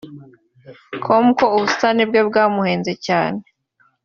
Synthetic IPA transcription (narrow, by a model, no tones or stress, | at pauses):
kʰomkouβustanibɡebɡaːmuhe̞ːnzecaːne